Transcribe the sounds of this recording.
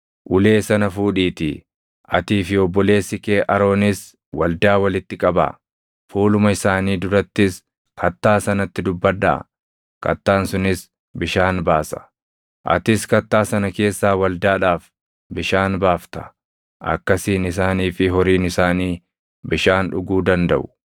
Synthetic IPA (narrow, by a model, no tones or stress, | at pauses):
ʔʊle̞ːsɐnɐfuːᶑiːt̪ɪ | ʔɐ̰t̪iːfɪɔbːɔle̞ːsːɪkeːʔɐɾo̞ːnɪs | wɐld̪aːwɐlɪt̪ːɪkʼɐbɐ̰ | fuːlʊmɐɪsaːniːd̪ʊɾɐt̪ːɪs | kʰɐt̪ːaːsɐnɐt̪ːɪd̪ʊbːɐd̪ɐ̰ | kɐ̰t̪ːaːnsʊnɪs | bɪʃaːnbaːsɐ̥ | ʔɐ̰t̪ɪskɐt̪ːaːsɐnɐke̞ːsːaːwɐld̪aːᶑaːf | bɪʃaːnbaːft̪ɐ̥ | ʔɐ̰kːɐsiːnɪs̬aːniːfɪɦɔɾiːnɪsaːniː | bɪʃaːnᶑʊɡuːd̪ɐnd̪ɐ̰ʔʊ̥